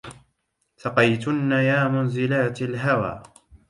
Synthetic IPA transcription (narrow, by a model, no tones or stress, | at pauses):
sɑqɑjt̪ʊnːajaːmʊnzɪlaːt̪alɦawa̰ː